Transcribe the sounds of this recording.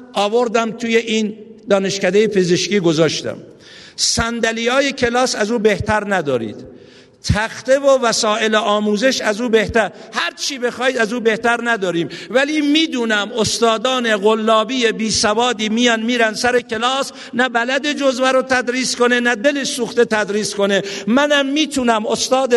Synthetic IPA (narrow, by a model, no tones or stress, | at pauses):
ɒːvo̞ɾd̪æmt̪ʰuːje̞ʔiːnd̪ɒːneʃkæd̪ejepʰe̞zeʃkiːɡo̞zɒːʃt̪æ̰m | sænd̪ælijɒːjekʰe̞lɒːsæzuːbeht̪æɾnæd̪ɒːɾḭːd̪̥ | t̪ʰæxt̪e̞vovæsɒːe̞leʔɒːmuːze̞ʃæzuːbe̞ht̪æɾhæɾt͡ʃʰiːbe̞xɒːiːd̪æzuːbe̞ht̪æɾnæd̪ɒːɾiːmvæliːmiːd̪uːnæmost̪ɒːd̪ɒːne̞ɣolːɒːbiːje̞biːsævɒːd̪iːmijɒːnmiːɾænd̪sæɾekʰe̞lɒːs | næbælæd̪e̞d͡ʒozvæɾot̪ʰæd̪ɾiːsko̞nenæd̪e̞lesuːxt̪e̞t̪ʰæd̪ɾiːsko̞ne̞mænæmːiːt̪ʰunæmost̪ɒːd̪e